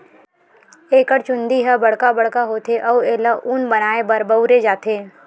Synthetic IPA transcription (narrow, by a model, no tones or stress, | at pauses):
eːkəɾt͡ʃʊ̃nd̪iɦəbɐɽ̤kabɐɽkaɦoːt̪ʰeʔɐeːlaʔuːnbɐnaːebɐɾbəʊɾed͡ʒaːt̪ʰeː